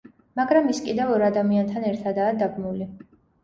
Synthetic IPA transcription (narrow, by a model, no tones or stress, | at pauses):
maɡɾamiskʼid̪ɛvɔɾad̪amiant̪ʰanɛɾt̪ʰad̪aːd̪aɡmuli